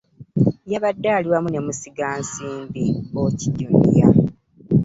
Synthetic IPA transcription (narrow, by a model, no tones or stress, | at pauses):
jaβadːaːliwamune̞musiɡaːnsiːmbiociɟumḭja̰